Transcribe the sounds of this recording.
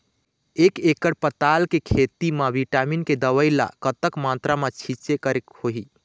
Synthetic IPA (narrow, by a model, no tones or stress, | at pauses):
ekekəɾpət̪alkekʰet̪imeʋiʈaminked̪əʋəjla̰kət̪əkmat̪ɾamet͡ʃʰit͡ʃekəɾekhoɦi